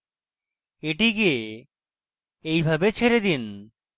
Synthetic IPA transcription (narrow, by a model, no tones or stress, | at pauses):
eʈiɡie | ejbʱabet͡ɕʰeɾed̪in